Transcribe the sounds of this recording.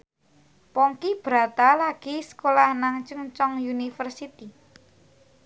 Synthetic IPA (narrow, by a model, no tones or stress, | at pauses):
pɔŋkib̥ɾa̤t̪alaɡ̥i̤səkolahnaŋt͡ʃuŋt͡ʃɔŋjunifərsit̪i